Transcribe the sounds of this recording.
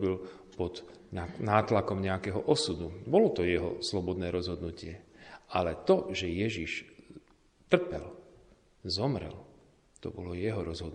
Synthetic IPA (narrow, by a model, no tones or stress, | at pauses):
bil | pɔd̪ɲanaːt̪lakɔmɲɛakɛːɦɔʔɔsud̪ubɔlɔt̪ɔjɛɦɔ̰slɔbɔd̪nɛːɾɔzɦɔd̪nucɪɛalɛt̪ɔʒɛjɛʒiʃ | t̪r̩pɛl | zɔmɾɛ̰l | t̪ɔ̰bɔlɔjɛɦɔɾɔzɦɔd̪n